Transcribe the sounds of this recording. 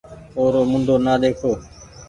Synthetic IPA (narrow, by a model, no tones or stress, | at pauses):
oːɾoːmʊ̃nd̪ʱoːnaːɗ̪eːkʰoː